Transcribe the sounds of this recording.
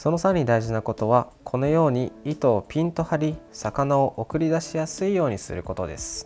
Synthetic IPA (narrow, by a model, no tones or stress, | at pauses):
so̞no̞saɲ̟id̪aiʑinako̞t̪o̞β̞akʰo̞no̞jo̞ːɲ̟iit̪o̞ːpʲĩnt̪o̞haɾʲisakanao̞ʔokɯ̟ɾʲid̪aɕijasɨijo̞ːɲ̟isɨ̰ɾɯ̟ko̞t̪o̞d̪e̞̰sɨ̥